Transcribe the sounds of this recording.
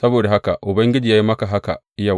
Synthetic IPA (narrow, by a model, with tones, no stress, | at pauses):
sɐ˦boː˨da˨ɦa˦ka˨ʔʊ˨bɐ˦ŋɡʲɪ˦d͡ʒiː˨jaː˦ji˦mɐ˦ka˨ɦa˦ka˨ʔɪ˦ja˨